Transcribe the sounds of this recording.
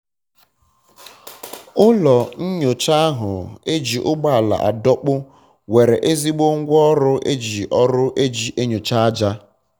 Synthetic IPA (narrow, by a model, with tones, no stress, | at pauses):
ʊ˦lɔ˨n̩˦ɲo˨t͡ʃa˦a˦ɦʊ˨e˦d͡ʒi˨ʔʊ˦ɡ͡ba˦a˨la̰˨ʔa̰˨dɔ˦k͡pʊ˦ | we˨ɾe˨ʔe˦zi˦ɡ͡bo˦ŋ̩˦ɡʷɔ˦ɾʊ˦ʔe˦d͡ʒi˨ʔɔ˦ɾʊ˦ʔe˦d͡ʒi˨ʔe˦ɲo˨t͡ʃa˦a˦d͡ʒa˦